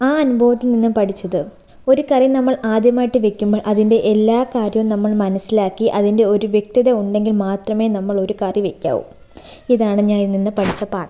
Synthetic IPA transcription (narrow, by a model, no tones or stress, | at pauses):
aːɐnubʱɐʋɐt̪ːilninːɨpɐʈʰit͡ɕːɐðɨ | o̞ɾukɐrjɐnɐmːɐɭaːd̪jɐmaːjiʈːɨʋe̞kʲːumboːɭʔɐðinde̞ʔelːaːkaːɾjɐʋumnɐmːɐɭmɐnɐsːilaːkːiʔɐðinde̞o̞ɾuʋjek̚t̪iðɐuɳɖe̞ŋɡilmaːt̪rɐme̞ːnɐmːɐɭo̞ɾukaːrjɐʋekʲːa̰ːʋṵm | iðaːɳɨɲaːnininːɨpɐʈʰit͡ɕːɐpaːɳɐ